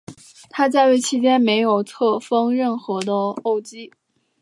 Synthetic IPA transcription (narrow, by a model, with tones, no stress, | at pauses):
t̪ʰa˥t͡sa˥˧ɪwe˥˩ɪt͡ɕʰi˧˥t͡ɕjɛ˥nme˧˥ɪjo˨˩ʊt͡sʰɤ˥˩fɤ˥ŋɻə˥˩nxɤ˧˥d̪ə˧o˥˩ʊt͡ɕi˥